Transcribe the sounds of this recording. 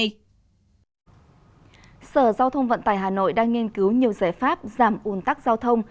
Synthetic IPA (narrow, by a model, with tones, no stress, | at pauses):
səː˧˩zaː˧wt̪ʰə˧wŋ͡mvə̰˧˨nt̪aː˧˩jɦaː˨˩no̰˧˨jɗaː˧ŋːi˧ənkɨ˨˦wɲi˨˩əwzaː˧˩jfaː˦˥p̚zaː˧˩mʔu˨˧˩ənt̪a˦˥k̚zaː˧wt̪ʰə˧wŋ͡m